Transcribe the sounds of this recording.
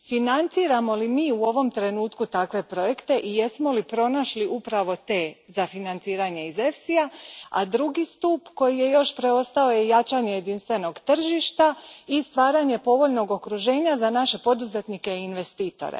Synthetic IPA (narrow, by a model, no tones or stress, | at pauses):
finant̪siːɾamo̞limiːuo̞ʋo̞mt̪ɾe̞nuːt̪kut̪akʋe̞pɾo̞je̞kt̪e̞ʔije̞smo̞lipɾo̞naʃliʔupɾaʋo̞t̪e̞ːzafinant̪siːɾaɲe̞ize̞fsiaa̰d̪ɾuɡist̪upko̞jije̞jo̞ʃpɾe̞o̞st̪ao̞jejat͡ʃaɲeje̞d̪inst̪ʋe̞no̞ɡt̪r̩ʒiʃt̪aist̪ʋaːɾaɲe̞po̞ʋo̞ʎno̞ɡo̞kɾuʒe̞ːɲazanaʃe̞po̞d̪uze̞t̪nike̞inʋe̞st̪iːt̪o̞̰ɾḛ